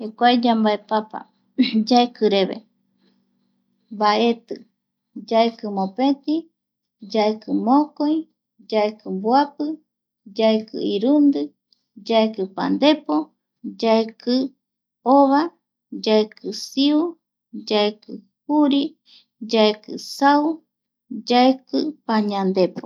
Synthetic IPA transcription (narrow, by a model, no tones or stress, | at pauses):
hekʷajd͡ʒambaepapa̰ | d͡ʒaekɨɾeβḛ | baet̪ɨ | d͡ʒaekɨmõpet̪i | d͡ʒaekɨmõkoi | d͡ʒaekɨbwapɨ | d͡ʒaekɨ̰iɾund̪ɨ | d͡ʒaekɨpa̰nd̪epo | d͡ʒaekʰɨ | oβa | d͡ʒaekɨsiu | d͡ʒaekɨ | huɾi | d͡ʒaekɨ̰saw | d͡ʒaekɨpaɲãnd̪epo